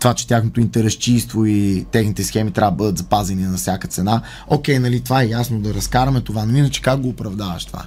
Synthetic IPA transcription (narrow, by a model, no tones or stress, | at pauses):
t̪ovat͡ʃɛ̥t̪ʲjaxnot̪oint̪ɛɾɐʃt͡ʃist̪voit̪ɛxnit̪ɛsxɛmit̪ɾʲavd̪əbɤd̪ət̪zɐpazɛninɐfsʲjakət̪sɛna | ɔkʲɛjnɐlit̪ovaɛjasnod̪ɐɾɐskaɾɐmɛt̪ovanɐlinɐt͡ʃɛ̥kak̚ɡoːpɾɐvd̪avɐ̰ʃt̪ova̰